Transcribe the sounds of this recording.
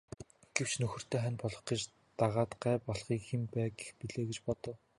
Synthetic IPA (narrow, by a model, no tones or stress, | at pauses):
ɡ̥ewt͡ɕnɵxɵ̆r̥t̪ʰeːχænʲpɔɮɞ̆χɡet͡ɕ | t̪aʁaːt̪ɢæːpɔɮχiːkxempæːɡexpiɮeːɡet͡ɕpɔt̪ɞ̆w